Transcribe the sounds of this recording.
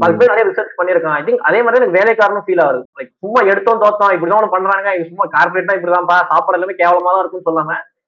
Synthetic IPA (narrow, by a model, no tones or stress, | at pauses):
pɐðkɯpɐjnɐɾɐjaɾɪsɐspɐɳːiɾɯkːãːɐːɐɪt̪ɪŋkɐðeːmaːd̪ɾiɪɛnɐkːɯʋeːlɐjkːaːɾɐɳɐ̃mfiːlaːʋɐɾɯlɐɪk̚sʊmːaːɛɽɯt̪ːõːnt̪oːt̪kːãːɪp̬ɐɽt̪ãːʋɐnːɯ̃pɐɳːɾãːɡaːɪkːɯsʊmːaːkaːɾpɔɾeːʈ̪ːãːɪp̬ːɐɽit̪ãːpaːsaːpɐɽɐɪlːaːmeːkeːʋɐlɐmaːðãːɪɾɯkːɯnːɯsɔlːaːŋɐ